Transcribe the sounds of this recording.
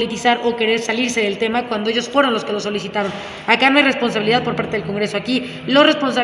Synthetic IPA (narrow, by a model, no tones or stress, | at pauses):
lit̪isaɾʔo̞ke̞ɾe̞ɾsaliɾse̞ðe̞lt̪e̞makwand̪oeʝosfwe̞ɾo̞nlo̞ske̞lo̞s̬o̞lisit̪aɾo̞n | akanoajre̞spo̞nsaβiliðaðpo̞ɾpaɾt̪eðelko̞ŋɡɾe̞so̞aki | losre̞spo̞nsa